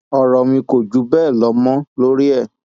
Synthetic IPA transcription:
ɔ˨ɾɔ˨mĩ˧ko˨d͡ʒu˨˦bɛː˦˨lɔ˨˦mɔ̃˦lo˦ɾi˦ɛ˦˨

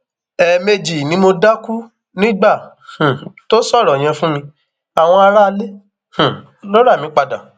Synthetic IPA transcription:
ɛ˨me˧d͡ʒi˨nĩ˨˦mo˧da˦ku˦ | nĩ˦ɡ͡bã˦˨ | to˦sɔ˦˨ɾɔ˨j̃ã˧fũ˦mĩ˧ | a˨w̃ɔ̃˧a˧ɾa˦˧le˦ | h̩˨ | lo˦ɾa˦˨mĩ˨˦k͡pa˧da̰˨

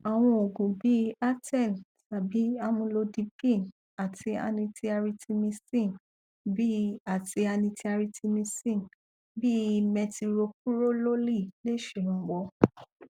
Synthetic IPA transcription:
a˨w̃ɔ̃˧o˨ɡũ˨bi˨˦a˦tɛ˦˨n | sa˨bi˨˦a˧mũ˧lo˧di˧pĩ˦˨n | a˨tʰi˧a̰˧nĩ˧tʰi˧a˧ɾi˧tʰi˧mĩ˧sĩ˦˨n | bi˦a˨ti˧a˧nĩ˧tʰi˧a˧ɾi˧ti˧mĩ˧sĩ˦˨n | bi˦˧mɛ̃˧ti˧ɾo˧k̚u˦ɾo˦lo˦li˦˨le˦ʃe˨ɾ̃ũ˨˦wɔ˧

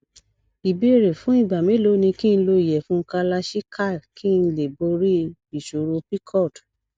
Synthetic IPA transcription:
i˨bi˦˨ɾe˨fũ˦i˦˨ba˨mĩ˨˦lo˨˦nĩ˧ki˦˧n̩˧lo˧i˨jɛ˨fũ˨˦ka˧la˧ʃi˦kʰa˦˨ki˦˧n̩˧le˨bo˧ɾi˦i˨ʃo˨ɾo˧pi˦kʰɔ˦˨d

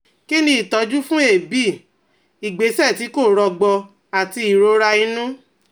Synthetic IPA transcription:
ki˦nĩ˧˦i˨tɔ˨˧˦d͡ʒu˦fũ˦e˦˨bi˦˨ | i˨ɡ͡be˨˦sɛ˦˨ti˨˦ko˦˨ɾɔ˧ɡ͡bɔ˧ | a˨ti˧i˨ɾo˨˦ɾa˧ĩ˧˦nũ˦

